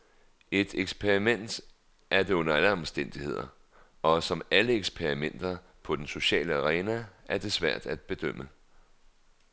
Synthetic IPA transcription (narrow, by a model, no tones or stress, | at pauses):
e̝d̥eɡ̥spʰeʁimen̰d̥ | ʔæɐd̥e̝ɔ̽nɐæləɒ̽msd̥en̰d̥ihe̝ð̞̰ˠɐ | ɒ̽sɒ̽mæləeɡ̥spʰeɐʁimen̰d̥ɐ | pʰɒ̽d̥enso̝ɕɛ̰ːləæʁɛːnææɐd̥e̝sʋæɐ̰d̥æd̥̚b̥e̝d̥øm̰ə